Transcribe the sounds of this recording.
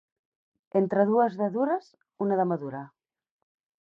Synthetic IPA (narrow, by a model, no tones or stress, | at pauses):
ent̪ɾəðuəzðəðuɾəz | unəðəməðuɾa